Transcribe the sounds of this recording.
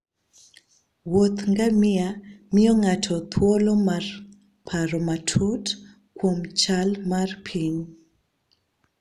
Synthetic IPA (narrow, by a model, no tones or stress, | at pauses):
wot̪ŋɡamɪamɪɔŋatʰɔt̪ʰwolɔmar | pʰaɾɔmatʰut | kwomt͡ʃalmarpʰiɲ